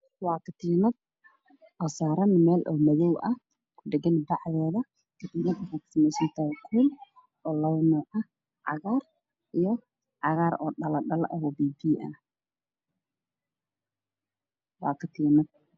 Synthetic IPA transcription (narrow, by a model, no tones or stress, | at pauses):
wɑːkʰɐt̪ʰiːnɐd̪̚ | ʔɔːsaːɾɐnmɛːlʔɔːmɐðɔwʔɐ | kʰʊɖɛɡɐnbɑʕðɛːðɐ | kʰɐt̪iːnɐd̪ɐfaksɪmɛsɪnt̪ʰɐkʰul | ʔɔːlɐwnɔːʔɐ | ʕɑɣaːr | ʔijɔ | ʕɑɣaːɾɔːɗɐlɐɗɐlʔɐhɔbiːbiːʔɐ | wɑ̰ːkʰɐt̪ʰiːnɐd̪̚